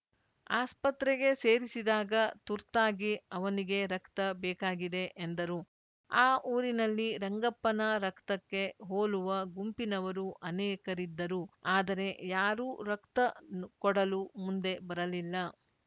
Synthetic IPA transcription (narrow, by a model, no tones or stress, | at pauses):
a̰ːspɐt̪ɾɛɡe̞seːɾisid̪aːɡɐt̪uɾt̪aːɡiɐʋɐniɡe̞ɾɐkt̪ɐbɛːkaːɡid̪e̞ʔːnd̪ɐɾu | aːʔuːɾinɐlːiɾɐŋɡɐpːɐnɐɾɐkt̪ɐkːe̞ɦoːluʋɐɡumpinɐʋɐɾuʔɐnɛːkɐɾid̪ːɐɾuaːd̪ɐɾe̞jaːɾuɾɐkt̪ɐkɔɽɐlumund̪e̞bɐɾɐlilːɐ